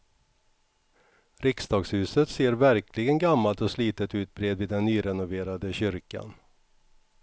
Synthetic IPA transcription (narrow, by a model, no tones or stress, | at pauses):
ɾɪksd̪ɑːɡshʉ̟ːsət̪seːɾvæɾklɪɡənɡamːalt̪ɔsliːt̪ət̪ʉ̟ːt̪̚bɾeːd̪vɪːd̪ɛnːyːɾɛnʊveːɾad̪əɕʏɾka̰n